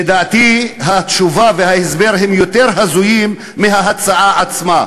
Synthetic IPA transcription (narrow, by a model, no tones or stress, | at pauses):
ed̪aːt̪iɦat̪ʃuvavehaesbe̞ʁɦemjo̞t̪e̞ʁɦazujimː | eɦaɦat͡saʕaat͡sma